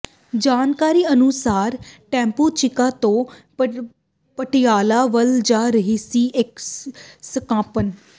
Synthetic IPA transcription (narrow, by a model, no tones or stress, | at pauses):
d͡ʒaːnkaːɾiːənʊsaːɾʈɛ̃ːmpuːt͡ʃɪkaːt̪õː | pəʈɪjaːlaːʋəld͡ʒaːɾəɦiːsiːʔɪk | səkãːpən